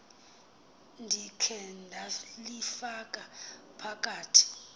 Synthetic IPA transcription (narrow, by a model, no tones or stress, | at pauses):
ndʱikʰɛndʱalifak̬ʼapʰak̬ʼaːtʰi̥